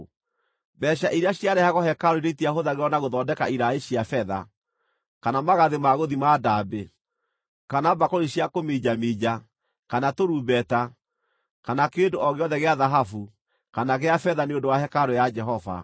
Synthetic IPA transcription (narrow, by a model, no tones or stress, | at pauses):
bɛɕaʔiɾeaɕjaɾɛhaɣɔhɛkaɾoiɾeitiahoðaɣeɾɔnaɣoðɔːdɛkaiɾaeɕiafɛða̰ | kanamaɣaðemaɣoðimadabe | kanabakɔɾiɕiakomid͡ʒamiːd͡ʒa | kanatoɾuːbɛta | kanakendoɔɣeɔðɛɣeaðaɦafu | kanaɣeafɛðaneondowahɛkaɾojad͡ʒɛɦɔva̰